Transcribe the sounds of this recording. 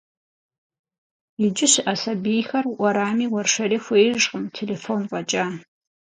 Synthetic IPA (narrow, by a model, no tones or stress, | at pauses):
ɪd͡ʒɪɕɪʔasɐbiːjxɐrʔʷɔɾaːmiːwɐrʂɐɾiːxʷeːjʂʼqəmtʰeleːfoːnqʷʼɐt͡ʃʼaː